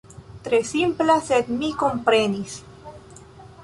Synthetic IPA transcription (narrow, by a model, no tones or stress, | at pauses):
t̪ɾesimplaset̪mikompɾenis